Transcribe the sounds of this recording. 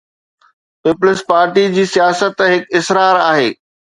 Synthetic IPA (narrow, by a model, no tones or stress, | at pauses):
pɪplɪspaːɾʈid͡ʑiːsijaːsət̪ɦɪkɪsɾaːɾaːɦeː